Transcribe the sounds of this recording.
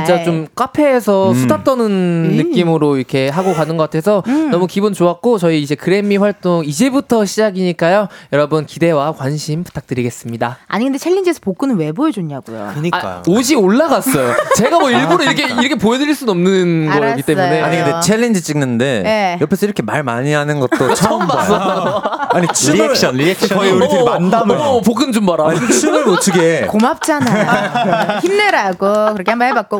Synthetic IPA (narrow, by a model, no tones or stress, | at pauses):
t͡ɕint͡ɕ͈at͡ɕomk͈apʰe̞ːsʰʌsʰudat͈ʌnɯnːɯkk͈imɯɾoiɾʌkʰe̞ɦaɡokanɯnɡʌk͈atʰe̞sʰʌnʌmukibunt͡ɕoak͈ot͡ɕʌiːd͡ʑe̞kɯɾe̞miɸwaɭt͈oŋid͡ʑe̞butʰʌɕʰid͡ʑaɡiɲik͈ajojʌɾʌbɯnkide̞wakwanɕʰimpu̥tʰak̚t͈ɯɾiɡe̞s͈ɯmɲidaa̰ɲiɡɯndet͡ɕʰeɭːend͡ʑesʰʌpok͈ɯnɯnwe̞boed͡ʑoɲaɡo̰jo̰kɯɲia̰oɕ̬ʰioɭːaɡas͈ʌjot͡ɕe̞ɡamwʌiɭboɾɯiɾʌkʰeiɾʌkʰepoedɯɾiɭs͈unʌmnɯnɡʌiɡitst͈eʌujne̞aɲiɡɯndet͡ɕʰeɭːend͡ʑit͡ɕ͈iŋnɯnde̞jejʌpʰesʰʌiɾʌkʰe̞maɭma̰ɲiɦanɯnɡʌtt͈ot͡ɕʰʌmbas͈ʌ | aɲit͡ɕʰieɕʌniekɕʌandammopokʰɯnɯnd͡ʑombaɾaaɲiinɯɭmotʰuɡekomap̚t͡ɕ͈anajçimneɾaɡokɯɾʌkʰe̞hambʌnɦebak̚k͈o